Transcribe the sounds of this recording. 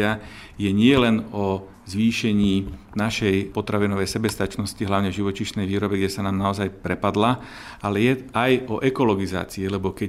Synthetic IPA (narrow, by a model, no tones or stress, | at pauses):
a | jɛɲɪɛlɛnɔ | zʋiːʃɛɲiː | naʃɛjpɔt̪ɾaʋinɔʋɛjsɛbɛst̪at͡ʃnɔsciɦlaʊɲɛvʒiʋɔt͡ʃiʃnɛjʋiːɾɔbɛɡɟɛsanaːmnaɔzajpɾɛpad̪la | alɛjɛajɔʔɛkɔlɔɡiza̰ːt͡siilɛbɔkɛ